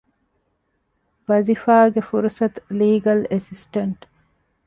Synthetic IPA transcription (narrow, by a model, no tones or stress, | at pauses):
ʋɐzifaːɡefuɾsɐt̪liːɡɐlesisʈɐɳʈ